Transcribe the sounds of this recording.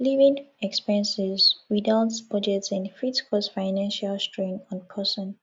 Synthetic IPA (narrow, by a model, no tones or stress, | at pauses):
livĩnɛkspɛɹə̃nsɛzwidaʊtsbɔd͡ʒɛtsɛ̃nfɹitkʰɔsfaɪnɛ̃nʃalstɹẽŋɔ̃npʰəsə̃n